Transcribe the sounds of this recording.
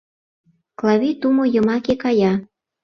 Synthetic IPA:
klɑβit̪umojɤ̆mɑkekɑjɑ

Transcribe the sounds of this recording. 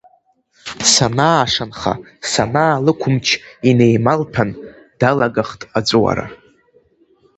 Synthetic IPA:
sanaːʂanχa̰ | sanaːlɨkʷʰʊmt͡ʃʰine̞jmalpʰan | d̥alaɡaχtʼad͡zʷʼwa̰ɾa̰

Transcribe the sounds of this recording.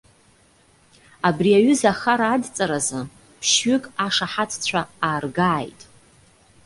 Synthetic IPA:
abriaɥʏzaχaɾaːdt͡sʼaɾazɨ | pʰʃɥʏkʼaʂaħat͡sʰt͡ɕʷʰaaːrɡaːjtʼ

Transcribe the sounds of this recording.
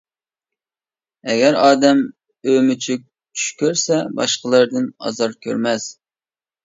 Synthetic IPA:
ɛɡʲɛɾɑːd̪ɛm | ømyt͡ʃʰyk̚ʲ | t͡ʃʰy̥ʃkʲʰøɾsɛbɑ̰ʃqəlˠəɾd̪ɨnɑ̰zɑɾkʲʰø̰ɾmɛs

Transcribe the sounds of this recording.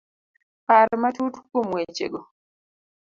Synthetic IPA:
paːɾɛmatutu̥kːomwet͡ʃḛɡɔ

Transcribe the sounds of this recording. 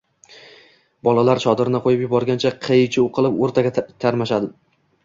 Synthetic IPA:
bɒlˠalaɾt͡ʃʰɒd̪ɪɾɪnɪqʰojɪpjʊbɒɾɡʲant͡ʃʰaqʰet͡ʃʰɪuqʰɨlˠɪpoɾt̪ʰaɡʲat̪ʰaɾmaʃad̪ɪ

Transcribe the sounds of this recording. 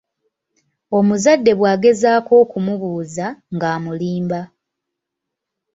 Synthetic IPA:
o̞muzadːe̞βwaːɡe̞zaːko̞ːkumuβuːzaŋɡaːmuliːmba

